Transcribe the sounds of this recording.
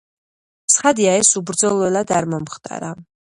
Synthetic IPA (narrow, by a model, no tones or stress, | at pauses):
tsʰχad̪iaɛsubɾd̪zɔlˠɔɛlad̪aɾmɔmχt̪ʼa̰ɾa